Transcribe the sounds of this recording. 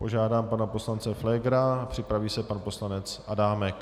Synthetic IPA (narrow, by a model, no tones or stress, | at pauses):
po̞ʒaːdaːmpanaposlant͡sɛflɛɡɾapr̝̥ɪpɾaviːsɛpanpo̞slanɛt͡sa̰daːmɛk